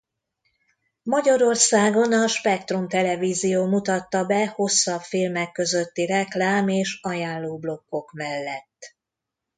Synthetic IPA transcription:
mɒɟɒɾo̞rsaːɡo̞nɒʃpɛkt̪rumt̪ɛlɛviːzijoːmut̪ɒt̪ːɒbɛho̞sːɒbfilmɛkːø̞zø̞t̪ːirɛklaːmeːʃɒjaːlloːblo̞kːo̞kmɛlːɛt̪ː

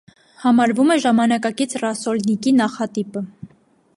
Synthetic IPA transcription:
hɑmɑɾvumɛʒɑmɑnɑkɑkit͡sʰrɑsɔlnikinɑχɑt̪ipə

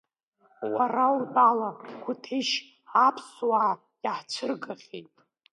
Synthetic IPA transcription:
ʔarawubalakʷʰʊtʰeʃ | apʰswaʕ | jaħt͡ʃʷʰɨrɡaχʲḛjtʼ

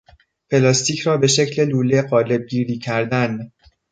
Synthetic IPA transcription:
pʰe̞lɒːst̪ʰiːcʰrɒːbe̞ʃe̞cʰle̞luːle̞ɢɒːle̞b̚ɟiːɾiːcʰæɾd̪æn

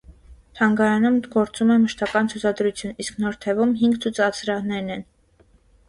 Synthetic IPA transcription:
t̪ʰɑŋɡɑɾɑnumɡɔɾt͡sumɛməʃt̪ɑkɑnt͡sʰut͡sʰɑd̪ɾut͡sʰjunisknɔɾt̪ʰɛvumɦiŋɡt͡sʰut͡sɑt͡sʰɾɑʁnɛɾnɛn

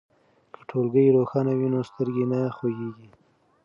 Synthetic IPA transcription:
kʰə̥ʈʰolɡəjɾoxɑnawinost̪əɾɡenaxoɡeɡi

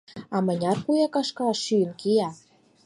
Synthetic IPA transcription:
ɑmə̆nʲɑrkujɑkɑʃkɑʃyjə̆nkijɑ

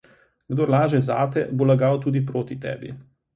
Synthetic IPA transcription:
ɡd̪oːɾlaːʒɛzaːt̪ɛ̰bolaɡawt̪uːd̪ipɾoːt̪it̪ɛ̰ːbḭ

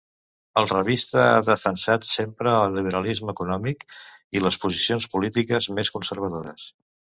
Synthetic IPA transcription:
əlˠrəβist̪əaðəfənsat̪sempɾəːlˠːiβ̞əɾəlizməkunɔmikiləspuzisionspulit̪ikəzmeskunsəɾβ̞əðoɾə̰s

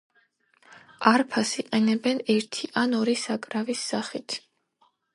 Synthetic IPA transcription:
aɾpʰasiqʼɛnɛbɛnɛɾt̪ʰiʔanɔɾisakʼɾavisːaχit̪ʰ

